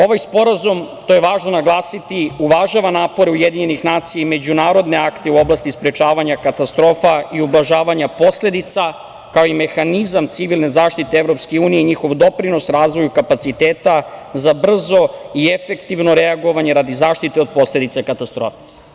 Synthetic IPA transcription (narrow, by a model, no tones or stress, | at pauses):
o̞ʋajspo̞ɾazumt̪o̞jeʋaːʒno̞naɡlˠaːsit̪iuʋaʒaʋanaːpo̞ɾeujed̪iɲe̞nixnaːt̪sijaime̞d͡ʑunaːɾo̞d̪ne̞akt̪e̞uo̞blˠast̪ispɾet͡ʃaːʋaɲakat̪ast̪ɾo̞ːfaiublaʒaːʋaɲapo̞sle̞d̪it̪sa | kaoime̞xanizamt̪siʋilˠne̞zaːʃt̪it̪eevɾo̞pskeuːnijeiɲixo̞ʋd̪o̞pɾino̞sɾaːzʋo̞jukapat̪sit̪eːt̪azabr̩zo̞iefekt̪iʋno̞ɾeaɡo̞ʋaɲe̞ɾad̪izaːʃt̪it̪e̞od̪̚po̞sle̞d̪it̪sakat̪ast̪ɾoːfe̥